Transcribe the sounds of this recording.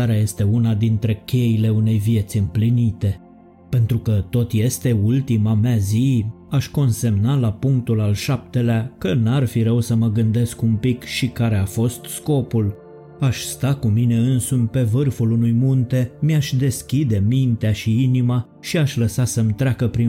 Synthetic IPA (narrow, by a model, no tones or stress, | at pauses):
aɾeaje̞st̪e̞unad̪int̪ɾe̞kʲe̞ile̞une̞jvije̞t̪sʲɨmplinit̪e̞ | pe̞nt̪ɾukət̪o̞t̪je̞st̪e̞ult̪imameazi | aʃko̞nse̞mnalapuŋk̚t̪ulalʃap̚t̪e̞leakənarfiɾəwsəməɡɨnd̪e̞skumpikʃikaɾe̞afo̞st̪sko̞pul | aʃʲst̪akumine̞ɨnsumpe̞vɨrfulunujmunt̪e̞miaʃd̪e̞skʲid̪e̞mint̪eaʃiinima | ʃiaʃləsasəmt̪ɾeakəpɾi